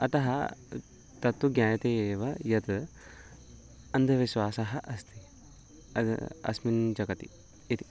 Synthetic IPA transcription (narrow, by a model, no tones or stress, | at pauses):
ɐt̪ɐɦɐ | t̪ɐt̪ːuɡjaːjɐt̪eeːʋɐjɐt̪ | ɐnd̪ʱɐʋiʃwaːsɐɦɐʔɐst̪i | ɐ̰ɐ̰smind͡ʒɐkɐt̪ḭ | it̪i̥